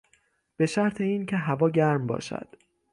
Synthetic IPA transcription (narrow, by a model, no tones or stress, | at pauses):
b̥e̞ʃæɾt̪ʰe̞iːncʲʰe̞ɦævɒːɟæɾmbɒ̰ːʃæ̰d̪̥